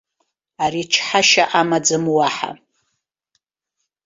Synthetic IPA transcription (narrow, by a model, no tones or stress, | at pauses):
arit͡ʃʰħaʃaʔamad͡zɨmwaħa̰